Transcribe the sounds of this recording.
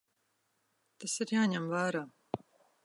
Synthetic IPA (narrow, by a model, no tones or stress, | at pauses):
t̪asiɾjaːɲɛmvaːɾaː